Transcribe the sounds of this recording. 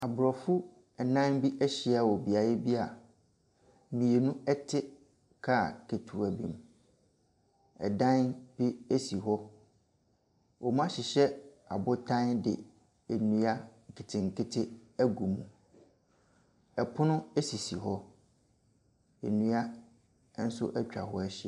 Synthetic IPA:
a˨bʊ˨ɾɔ˨fʊ˦ | ɛ˨nã˦nbi˦ʔɛ˦ɕɪ˨˦a˦˨wɔ˨bi˨a˨jɛ˦bi˦a˨ | mĩ˨e˨nũ˦ɛ˦tʰɪ˦ | kʰa˦˨kʰe˨tʰu˨a˨bḭ˨m̃˨ | ɛ̰˨dã˦nb̥i˦ɛ˦si˨ɦɔ˦ | wɔ˨mã˦ɕɪ˨ɕɛ˦ | a˨bʊ˦tʰã˦ndɪ̰˨ | e˨nũ˦a˦ŋ̩˨kʰɪ˨tʰɪ˨ŋ̩˨kʰɪ˦tʰɪ˦æ˦ɡu˨mũ˨ | ɛ˨pʰʊ˦nʊ̃˦ɛ˦si˨si˨ɦɔ˦ | ḛ˨nũ˦a˦ | n̩˦sʊ̰˦ʔɛ˦t͡ɕᶣa̰˨ɦɔ˦ɛ˦ɕɛ˦˨

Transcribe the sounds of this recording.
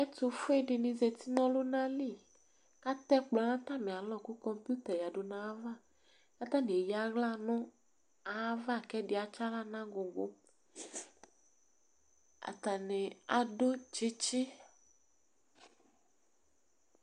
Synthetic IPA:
ɛ˦t̪o˨fo˦e˦ɖɪ˨nĩ˨ze˨t̪i˦nɔ̃˦lo˦nã˦li˦˨ | ka˦t̪ɛ˦k͡plɔ˨nã˦t̪ã˦mẽ˨a˨lɔ˦ku˦kɔ˦mpu˦t̪ɛ˨ja˨ɖo˨nã˨˦va˦ | ka˦t̪ã˦mẽ˨e˨ja˨ɣla˦nɔ̃˦ | a˨˦va˦˨kɛ˦ɖɪ˨a˨t͡ʃa˦la˦nã˦ɡo˨ɡo˦ | a̰˨t̪a˨nẽ˨a˨ɖo˦d͡ʒi˦t͡ʃi˦

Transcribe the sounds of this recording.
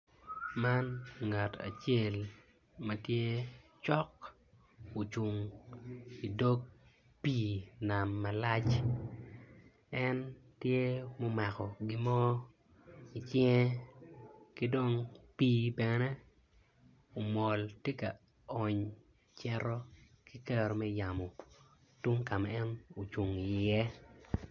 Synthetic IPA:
ma˦nŋa˨ta̰˨t͡ʃe˦˨l | mɐ˨tje˦t͡ʃɔ˦k | o˨t͡ʃu˨ŋ | i˨do˦k̚ | piː˦˨na˨mːɐ˨la˦t͡ʃ | ɛ˦ntje˦mo˦ma˨kɔ˨ɡɪ˦mɔ˦ | i˨t͡ʃjɛ˦ | kɪ˦do˦˨ŋpiː˦bɛ˨ne˦ | o˨mɔ˨ltje˦ka˨ | ɔ˨ɲ | t͡ʃɛ˦ɾɔ˦ | ki˦kɛ˦ɾɔ˨mɛ˦ja˨mo˨ | tu˦ŋka˨mɛ˦ɛ˦no˨t͡ʃu˨ŋi˨jɛ˦

